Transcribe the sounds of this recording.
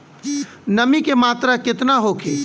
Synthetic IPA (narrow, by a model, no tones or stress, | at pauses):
nəmikemaːt̪ɾakɪt̪naɦokʰe